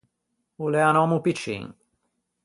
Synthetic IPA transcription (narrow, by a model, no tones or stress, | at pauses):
uleanɔmupit͡ʃḭŋ